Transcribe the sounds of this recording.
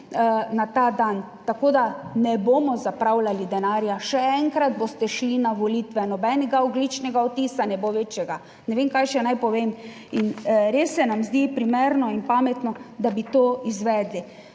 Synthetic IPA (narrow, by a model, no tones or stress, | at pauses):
nat̪aːd̪an | t̪akod̪anɛboːmɔzapɾawlalid̪ɛnaːɾjaʃɛɛŋkɾad̪̚bost̪ɛʃlinaʋɔlit̪ʋɛnɔbɛnɛɡaɔɡlit͡ʃnɛɡaɔt̪iːsanɛboʋet͡ʃjɛɡa | nɛʋemkajʃɛnajpɔʋem | inɾesːɛnamzd̪ipɾimeɾnɔinpamɛt̪nɔd̪abit̪oːizʋɛːd̪li